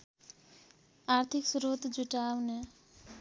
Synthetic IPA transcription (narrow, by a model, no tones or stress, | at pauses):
aɾt̪ʰiksuɾut̪d͡zuʈawne